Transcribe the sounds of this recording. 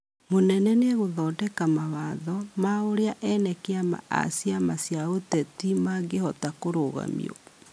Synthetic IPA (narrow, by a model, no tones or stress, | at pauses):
monɛnɛneɛɣoðɔːdɛkamawaðɔmaoɾeaʔɛnɛkeama̰ʔa̰sjamasjaotɛtimaɡehɔtakoɾoɣa̰mḭo̰